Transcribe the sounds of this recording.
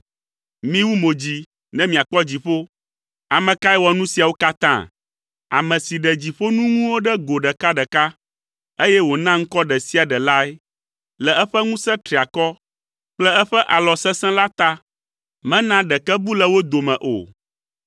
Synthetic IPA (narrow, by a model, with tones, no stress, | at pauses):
mĩ˦wu˦mo˨d͡ʑi˨ | nɛ̃˦mĩ˨a˨k͡pɔ˦d͡ʑi˨ɸo˦ | a˨mɛ̃˨ka˦ɛ˦wɔ˨nũ˦si˨a˨wo˦ka˦t̪ã̰˦ | a̰˨mɛ̃˨si˨ɖɛ˨d͡ʑi˨ɸo˦nũ˦ŋũ˦wo˦ɖɛ˦ɡo˨ɖɛ˨ka˦ɖɛ˨ka˦ | e˦jɛ˦wo˨nã˦ŋ̩˦kɔ˦ɖɛ˨si˦a˨ɖɛ˨la˦ɛ˦ | lɛ˨ɛ˦ɸɛ˦ŋũ˦sɛ̃˦t̪ɾi˨a˨kɔ˦ | k͡plɛ˦ɛ˦ɸɛ˦ʔa˨lɔ˨sɛ˦sɛ̃˦la˦t̪a˦ | mɛ̃˦nã˦ɖɛ˨kɛ˦bu˦lɛ˦wo˦d̪o˨mɛ̃˨ʔo̰˨